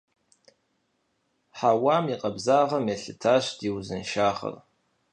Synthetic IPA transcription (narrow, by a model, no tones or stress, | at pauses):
ħawaːmiqʼɐbzaːʁɐmeɬɨtʰaːɕdiwzɨnʃaːχɐ̰r